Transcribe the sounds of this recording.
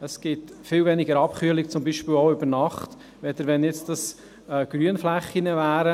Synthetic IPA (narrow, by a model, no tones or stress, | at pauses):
əsɡ̥ɪtfɪwvɛniɡəɾɑpχyːəlikt͡sʊmbiːʃpɪːwɔʊʏbəɾnɑχt | ʋɛd̪əɾʋɛnjɪt͡std̥ɑs | ɡ̥ɾyənflæχːinəvæːɾə